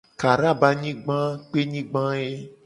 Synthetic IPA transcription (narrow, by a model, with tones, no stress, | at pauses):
ka˨ɾa˦˨ba˦ɲĩ˦ɡ͡bã˦k͡pe˦ɲĩ˦ɡ͡bã˦e˦